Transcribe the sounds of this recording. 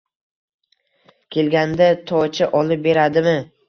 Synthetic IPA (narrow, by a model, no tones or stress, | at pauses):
kʲʰe̞lɡʲand̪at̪ʰɒt͡ʃʰaʔɒlɪp̚be̞ɾad̪ɪmɪ